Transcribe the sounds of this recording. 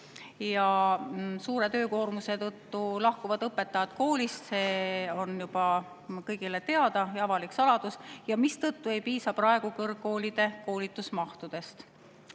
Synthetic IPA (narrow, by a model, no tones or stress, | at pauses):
jɑ | suːɾe̞t̪ø̞ːko̞ːrmuse̞t̪ɤt̪ːulɑhkuvɑd̪̥ɤpːe̞t̪ːˑɑjɑd̪ko̞ːlʲist̪seːo̞njub̥ɑ | kɤjɡ̥ilet̪e̞ɑd̪̥ɑjɑvɑliksɑlɑd̪̥usjɑmist̪ɤt̪ːue̞jpiːsɑprɑe̞ɡ̥ukɤrɡ̥ːo̞ːlid̪̥e̞ko̞ːlit̪ːˑusmɑht̪ud̪̥e̞st̪